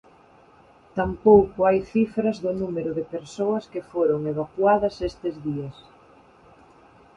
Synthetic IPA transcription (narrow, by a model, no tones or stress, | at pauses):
t̪ampowkʊajθifɾɐzðʊnumeɾʊðɪpeɾsoɐskefoɾoŋeβ̞akwaðɐsest̪ɪzðiɐs